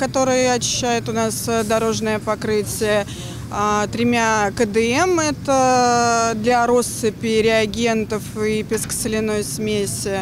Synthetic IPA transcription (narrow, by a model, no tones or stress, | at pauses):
kɐt̪o̞ɾɨjəɐt͡ɕɪ̥ɕːæjʊt̪ʊnasd̪ɐɾo̞ʐnɨjəpɐkɾɨtʲɪjə | at̪ɾʲɪmʲakəd̪ɨɛmɛt̪ə | d̪lʲɐɾo̞sːɨpʲɪɾʲɪɐɡʲe̞nt̪əfipʲɪskə̥sɨlʲɪno̞jsmʲesʲɪ